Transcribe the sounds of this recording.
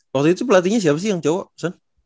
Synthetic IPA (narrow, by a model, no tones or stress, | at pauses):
wak̚t̪uit̪upəlat̪̬iɲas̬iapas̬ijaŋt͡ʃowaʔpi̥san